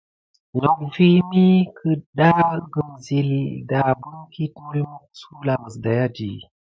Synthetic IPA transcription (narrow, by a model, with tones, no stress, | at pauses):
ɲo˨k̚vi˦mi˦kʰə˨ɗa˦ɡə˨mzi˨li˨da˨bu˦ŋki˦t̚mu˦jmu˦su˦la˨mə˨sda˨ja˦dḭ˨